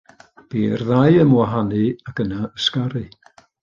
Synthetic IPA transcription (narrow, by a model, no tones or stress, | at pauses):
b̥iːrðajəmwaɦanɨakənaəskaɾɨ